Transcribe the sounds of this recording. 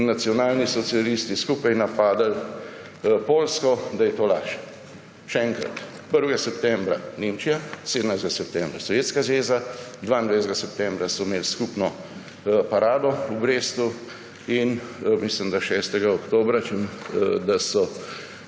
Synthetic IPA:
nat̪sjɔnaːlnisɔt̪sialist̪iskuːpajnapaːd̪al | poːlskɔd̪ajɛt̪oːlaːʃɛ | ʃɛɛŋkɾa̰t̪ | pəɾʋɛɡasɛp̚t̪ɛ̃mbɾa̰nemt͡ʃijaseːd̪ənajzt̪ɡasɛpt̪ɛ̃mbɾasɔʋjeːt̪skazʋeːzad̪ʋaːind̪ʋajzɡasɛpt̪ɛmbɾasɔmeːlskupnɔ | paɾaːd̪ɔubɾest̪u | inmisləmd̪aʃɛst̪ɛɡaɔkt̪oːbɾat͡ʃəmd̪asɔ

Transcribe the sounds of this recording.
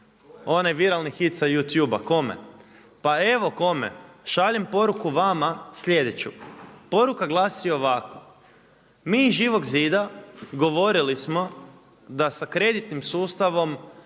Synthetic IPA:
o̞najʋiɾalˠnixit̪sajut̪juːbako̞mḛ | pae̞ʋo̞ko̞mḛʃaʎempo̞ɾukuʋamasʎe̞d̪e̞t͡ɕupo̞ɾukaɡlˠaːsio̞ʋako̥ | miːʒiːʋo̞ɡziːd̪aɡo̞ʋo̞ɾilismo̞ | d̪asakɾe̞d̪it̪nimsuːst̪aʋo̞m

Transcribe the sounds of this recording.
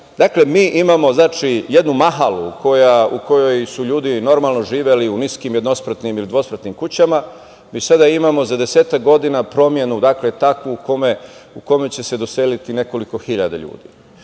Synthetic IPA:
d̪akle̞miːʔimamo̞znaːt͡ʃije̞d̪numaɦaluukʰo̞jauko̞jo̞jsuʎuːd̪ino̞ɾmalˠno̞ʒiːʋeliuniskimjed̪no̞spɾət̪nimilid̪ʋo̞spɾat̪nimkut͡ɕama | misad̪aimamo̞zad̪e̞seːt̪akɡo̞d̪inapɾo̞mje̞nud̪akle̞t̪akʋuukomeuko̞met͡ɕe̞se̞d̪oselit̪ine̞ko̞liko̞xiʎad̪a̰ʎṵːd̪ḭ

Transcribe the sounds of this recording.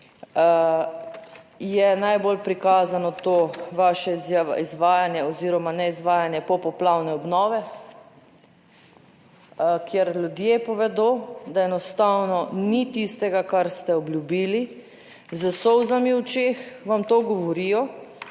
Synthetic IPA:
jɛnajbolpɾikaːzanɔt̪oːʋaːʃɛzaizʋaːjanjɛɔziːɾɔmanɛizʋaːjanjɛpɔpɔplawnɛɔbnɔːʋɛ | kjɛɾlʲjud̪jeːpɔʋɛd̪od̪aɛnɔst̪awnɔnit̪ist̪ɛɡakaɾst̪ɛɔbljubiːli | zəsɔwzamiwt͡ʃeːxʋamt̪oːɡɔʋɔɾijɔ

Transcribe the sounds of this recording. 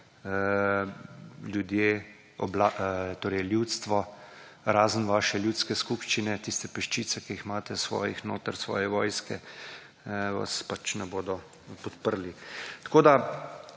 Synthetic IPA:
ə | ljud̪je | ɔblat̪oːɾɛjljut̪st̪ʋɔ | ɾaːzənʋaːʃɛljuːt̪skɛskupʃt͡ʃinɛt̪ist̪ɛpɛʃt͡ʃiːt̪sɛkiixmaːt̪ɛsʋɔ̰ːjixno̰ːt̪əɾsʋɔ̰ːjɛʋɔːjskɛ | ʋa̰spat͡ʃnɛboːd̪ɔ | pɔt̪pəɾlit̪ḁkoːd̪a

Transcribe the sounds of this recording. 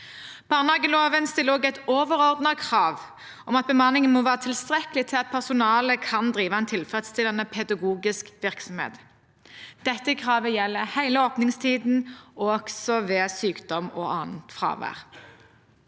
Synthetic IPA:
b̥ɑʁnhɑːɡəloːʋənst̪ɪlːəoːɡæɪt̪oːʋəʁɔʁd̪nɑkʰʁɑːʋ | ʔɔmɑt̪̚bəmɑnːɪŋənmoːʋæːʁɑt̪ʰɪlst̪ʁɛkəlɪt̪ʰɪlɑt̪̚pʰæʁsʊnɑːləkʰɑnd̪ʁiːʋɑɛnt̪ʰɪlfɛt̪st̪ʰɪlɛnːəpʰɛd̪ɑɡuːɡɪskʋɪʁksɔmhḛːt̪ | d̪̥ɛt̪ːəkʰʁɑːʋəjɛlːəhæɪləoːpnɪŋst̪ʰiːd̪n̩ɔɡ̥sɔʋeːsyːkd̪̥ɔmɔːʔɑːnn̩t̪fʁɑ̰ːʋæ̰ːʁ

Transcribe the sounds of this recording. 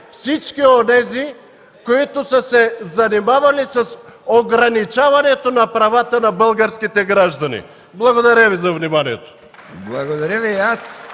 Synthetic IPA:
fsit͡ʃkionɛzi | koit̪usasɛzanimavalisasoɡɾanit͡ʃavanɛt̪onapɾavat̪anabəlˠɡaɾskit̪ɛɡɾaʒd̪anḭ | blˠaɡod̪aɾavizavnimanijɛt̪o̥ | blˠaɡod̪aɾɛvijas

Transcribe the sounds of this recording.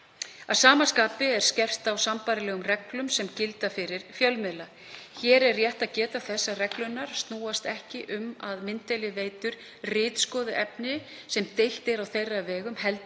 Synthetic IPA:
aðsaːmaskaːpɪɛɾ̥scɛr̥t̪awsampaːɾɪlɛːɣʏmrɛklʏmsɛmcɪlt̪afɪɾɪɾ̥fjœlmɛla | çɛːɾɛrːjɛht̪aðcɛːt̪aθɛsːarɛklʏnːaɾ̥st̪nuːast̪ɛhcɪʔʏmaðmɪnt̪ejlɪveːjt̪ʏɾ̥ | rɪːt̪skɔːðɪʔɛpnɪ | sɛmt̪ejht̪ɛɾawθejrːavɛːɣʏmhɛlt̪

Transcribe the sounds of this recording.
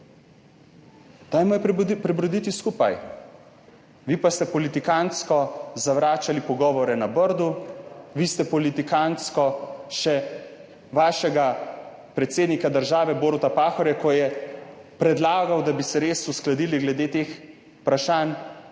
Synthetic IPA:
t̪ajmɔjpɾɛbɾɔd̪it̪iskuːpaj | ʋipast̪ɛpɔlit̪ikanskɔzaʋɾaːt͡ʃalipɔɡɔːʋɔɾɛnabəɾd̪uʋist̪ɛpɔlit̪ikanskɔʃɛ | ʋaːʃɛɡa | pɾɛt̪seːd̪nikad̪əɾʒaːʋɛboːɾut̪apaːxɔɾjakɔjɛpɾɛd̪laːɡawd̪abisɛɾeːsusklad̪iːliɡlɛd̪eːt̪eːx | pɾaʃaːn

